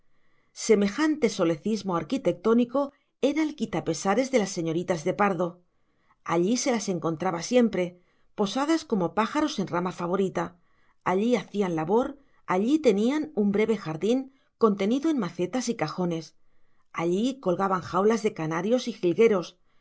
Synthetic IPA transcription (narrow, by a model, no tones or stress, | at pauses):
se̞me̞xant̪e̞so̞le̞θizmo̞aɾkit̪e̞k̚t̪o̞niko̞ | e̞ɾaelkit̪ape̞saɾe̞zðe̞lasːe̞ɲo̞ɾit̪azðe̞paɾðo̞ | aʎise̞lase̞ŋko̞nt̪ɾaβasje̞mpɾe̞ | po̞sað̞asko̞mo̞paxaɾo̞se̞nramafaβ̞o̞ɾit̪a | aʎiaθianlaβo̞ɾ | aʎit̪e̞nianumbɾe̞βe̞xaɾðiŋ | ko̞nt̪e̞niðo̞e̞nmaθe̞t̪asikaxo̞ne̞s | aʎiko̞lɣaβaŋxawlazðe̞kanaɾjo̞sixilɣe̞ɾo̞s